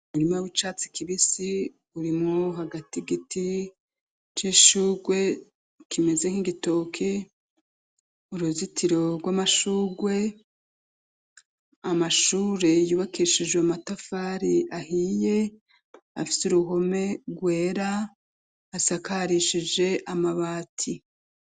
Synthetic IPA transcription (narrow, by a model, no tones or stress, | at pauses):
uɾimawit͡ʃaːt͡si̥kʰiβisi | uɾimŋoɦaɡatiɡiti | t͡ʃiʃuːɡwe̞ | kime̞ze̞ŋ̥hiɡito̞kʰe | uɾuzitʰiɾo̞ɡwamaʃuːɡwe̞ | amaʃuːɾe̞juːβakiʃid͡ʒɡweamatafaːɾiahiːje̞ | a̰fi̥suɾuɦo̞me̞ɡwe̞ːɾa | asakaɾiʃid͡ʒe̞ʔamaβaːtʰi